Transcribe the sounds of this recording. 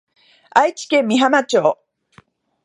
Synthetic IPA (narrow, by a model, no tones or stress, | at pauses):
ait͡ɕi̥kẽ̞mːʲiɦamat͡ɕo̞ː